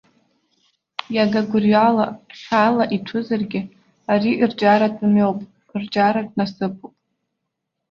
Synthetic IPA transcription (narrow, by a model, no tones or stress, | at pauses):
jaɡaɡʷʊrɥalaχʲalaʔiʈ͡ʂʰɨzarɡʲɪ | aɾiʔird͡ʒʼaɾatʼɨmɥowpʼ | rd͡ʒʼaɾadʼnasɨpʰʼupʼ